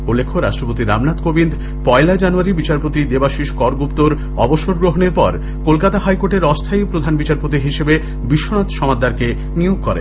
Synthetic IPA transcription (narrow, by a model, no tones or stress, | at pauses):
ulːekʰoɾaʃʈɾopot̪iɾa̰mnat̪kobind̪ | pɔelad͡ʑanuaɾibit͡ɕaɾpot̪id̪ebaʃiʃkɔɾɡupt̪oɾ | ɔboʃoɾɡɾoɦoneɾpɔɾ | kolkat̪aɦajkoʈeɾɔst̪ʰaipɾod̪ʱanbit͡ɕaɾpot̪iɦiʃebe | biʃːonat̪ʃɔmad̪ʱːaɾke | nioɡ̚kɔɾḛ